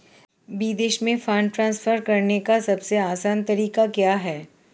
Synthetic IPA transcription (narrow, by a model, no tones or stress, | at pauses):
biːd̪eːʃmẽfãːɳʈɾãːnsfʰəɾkɐɾnekasɐbseaːsaːnt̪ɐɾiːkakjaːɦɛː